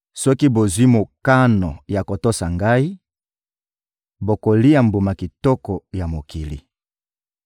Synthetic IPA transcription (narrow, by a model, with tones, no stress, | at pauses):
sɔ˦ki˦bo˨zwi˦mo˨ka˦nɔ˨ja˨ko˨to˦sa˨ŋɡa˦i˦ | bo˨ko˨li˦a˨mbu˨ma˨ki˨tɔ˦kɔ˨ja˨mo˨ki˨lḭ˨